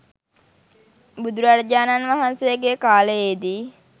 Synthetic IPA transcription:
bud̪uɾaɾd͡ʒaːnanʋaɦansejəɡekaːləed̪i

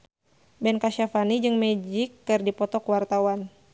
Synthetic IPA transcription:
bɛnkaʃafanid͡ʒɨŋmɛd͡ʒikːɨrdipɔt̪ɔkwart̪awan

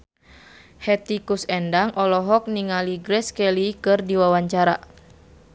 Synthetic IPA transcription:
hɛt̪ikusɛndaŋʔɔlɔɦɔk̚niŋaliɡɾɛskɛlikɨrdiwawaɲt͡ʃaɾa

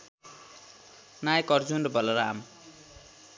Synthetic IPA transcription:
najkʌrd͡zundbʌlʌɾam

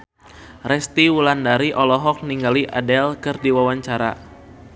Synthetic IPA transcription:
rɛst̪iwulandaɾiʔɔlɔɦɔk̚niŋɡaliʔa̰dɛlkɨrdiwawaɲt͡ʃaɾa̰

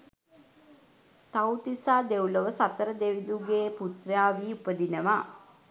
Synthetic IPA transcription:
t̪awt̪isaːd̪ewləʋəsat̪əɾəd̪eʋid̪uɡeːput̪rjaːʋiːupəd̪inəʋa

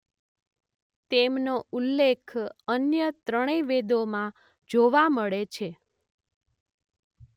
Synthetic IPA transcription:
t̪emnoulːekʰənjət̪ɾəɽ̃eʋed̪omã | d͡ʒoʋaməɭet͡ʃʰe

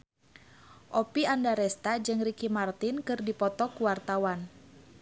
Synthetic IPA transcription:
ʔopiandaɾɛst̪ad͡ʒɨŋrikimart̪inkɨrdipɔt̪ɔkuwart̪awan

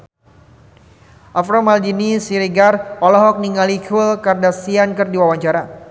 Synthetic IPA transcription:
ʔafɾɔmald͡ʒinisiɾiɡarɔlɔɦɔk̚niŋalikulkardasiankərdiwawaɲt͡ʃaɾa

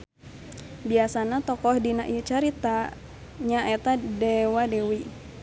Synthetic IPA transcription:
biasanat̪ɔkɔhdinaʔit͡ʃaɾit̪a | ɲaʔɛt̪adɛwadɛwi

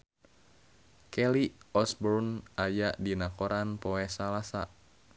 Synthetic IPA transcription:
kɛliɔsbɔrnajaʔdinakɔɾanpɔɛsalasa̰

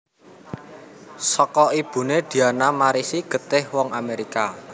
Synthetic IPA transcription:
sɔkɔib̥ṳned̪̥i̤anamaɾisiɡ̥ə̤t̪ɪhwɔŋameɾika

